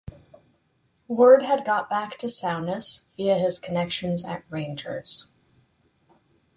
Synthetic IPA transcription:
wɜ˞d̚ɨd̚ɡɑt̚b̥æktʰɨsãʊ̃nɨsviɨɪz̥kʰɨnɛkʃɨ̃nzɨ̰t̚ɹẽɪ̃nd͡ʒə̰˞z̥

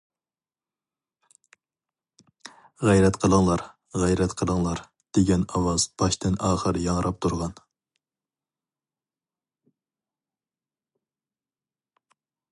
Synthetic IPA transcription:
ʁæjɾɛt̪qʰəlˠəŋlˠɑɾ | ʁjɾɛt̪qʰəlˠəŋlˠɑɾ | d̪̥eɡʲɛnɑwɑz̥b̥ɑʃt̪ɪnʔɑːχəɾjɑŋɾʔɑp̚t̪ʰuɾʁɑn

